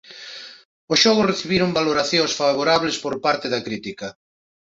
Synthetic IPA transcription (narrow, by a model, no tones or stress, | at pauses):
osʃɔɣ̞oreθiβiɾoŋbaloɾaθjõŋsfaβ̞oɾaβlespoɾpaɾt̪eðɐkɾit̪ikɐ